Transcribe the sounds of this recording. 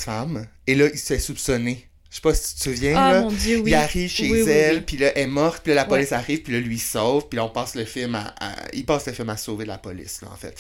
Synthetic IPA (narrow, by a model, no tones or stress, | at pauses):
fam | elʌisəfɛsupsɔne | ʃe̥pʌsi̥t̪t̪əvjɛ̃lɔ̃jøwilaʁivʃezɛlpilʌʔɛmɔʁt̪̚pilʌlapɔlɪsaʁiːv̥pilʌlɥisɔv̥pilɔɔ̃pɑːsləfɪlma̰ʔa̰ḭlpɑːsləfɪlmasoːved̪əlapɔlɪ̰slʌ̰ɑ̰̃fɛ̰t̪